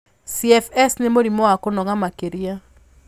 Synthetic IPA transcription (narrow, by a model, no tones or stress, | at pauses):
siɛfɛsnemoɾimɔakonɔŋamakeɾia